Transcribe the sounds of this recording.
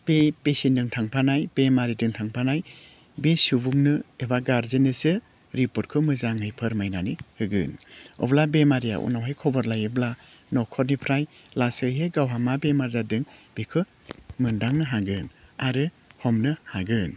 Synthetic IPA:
b̥epesindɯŋtʰaŋpʰanajbemaɾidɯŋtʰaŋpʰanaj | besubuŋnɯebaɡaɾzenɯsɯ | ɾipɔt̚kʰɯmɯzaŋhɯjpʰɯɾmajnanihɯɡɯ̰nɔ̰blabemaɾija̰ʔṵnawɦajkʰɔbɔɾlajɯbla | nɔkʰɔt̚nipʰɾaj | lasɯɦeɡawɦamabemaɾzadɯŋb̥ikʰɯ | mɯndaŋnɯɦaɡɯnaɾɯ | hɔmnɯhaɡɯn

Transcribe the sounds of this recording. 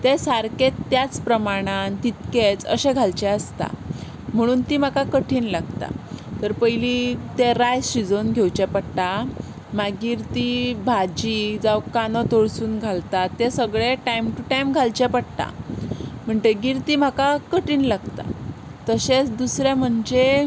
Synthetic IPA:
t̪esaɾket̪ːjat͡spɾəmaɽ̃ant̪it̪ket͡sə̰ɕɛɡʱalt͡ɕɛ̃əst̪a̰ | m̤əɽ̃uːnt̪im̤akakəʈʰiːnlaɡt̪a̰t̪əɾpəjlit̪eɾajɕid͡zonɡʱewt͡ɕɛpəɽt̪a | maɡiːɾt̪ibʱad͡ʑid͡zawkanɔt̪oɭsuːnɡʱalt̪at̪ːesəɡɭeʈajmʈuʈajmɡʱalt͡ɕɛpəɽt̪a̰ | m̤əɳd͡zeɡiːɾt̪im̤akakəʈiːnlaɡt̪a̰t̪əɕet͡sd̪usɾjãm̤əɳd͡ʑe

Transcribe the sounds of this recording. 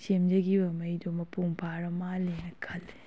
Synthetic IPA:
semd͡ʒɐɡibɐmɐjdomɐpuŋpʰaɾɐmalenɐkʰɐl

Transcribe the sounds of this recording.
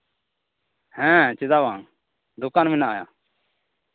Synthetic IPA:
hɛ̃ːt͡ʃɪd̪aːʋãːŋ | d̪ʊkaːnmɪnaːja̰ː

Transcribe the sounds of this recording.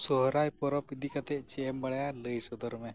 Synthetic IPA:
sɔɦɾajpɔɾɔpid̪ikat̪ɛʔt͡ʃɛɛmbəɽajaləjsɔd̪ʱɔɾɔmɛ

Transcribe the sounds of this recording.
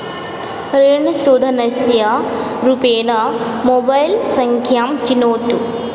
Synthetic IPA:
ɾeːɳɐsoːd̪ʱɐnɐsjɐɾupeːnɐmobɐjlsɐŋkʰjaːmt͡ʃinoːt̪u

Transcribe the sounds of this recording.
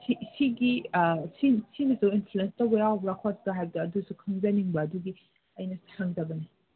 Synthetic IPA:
sisiɡisinsinɐzɐwinpʰluenstɐwbɐjawbɾakʰastɐɦajbɐdɐːdusukʰɐŋzɐniŋbɐːduɡi | ɐjnɐtʰaŋzɐbɐnɐ

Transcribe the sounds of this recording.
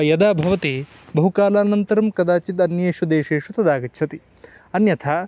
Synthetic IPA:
jɐd̪aːbʱɐʋɐt̪eː | bɐɦukaːlaːnɐnt̪ɐɾɐmkɐd̪aːt͡ʃit̪ɐnjeːʃud̪eːʂeːʂut̪ɐd̪aːɡɐtːʃʰɐt̪i | ɐnjɐt̪ʰaː

